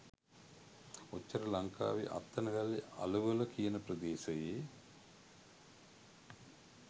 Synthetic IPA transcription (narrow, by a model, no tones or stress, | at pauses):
ot͡ʃːɐɾɐlaŋka̰ːʋiʔa̰t̪ːɐnɐɡalːea̰luʋəlɐkijənəpɾəd̪eːʃəjeː